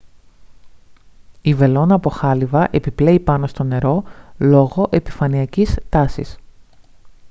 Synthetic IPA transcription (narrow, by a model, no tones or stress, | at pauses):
ive̞lo̞nɐːpo̞xɐlivɐʔepiple̞ipɐno̞st̪o̞ne̞ɾo̞lo̞ɣo̞ʔe̞pi̥fɐniɐcist̪ɐsḭs